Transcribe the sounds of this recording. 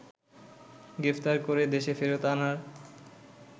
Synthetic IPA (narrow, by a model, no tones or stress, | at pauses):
ɡɾeft̪aɾkoɾed̪eʃefeɾot̪anaɾ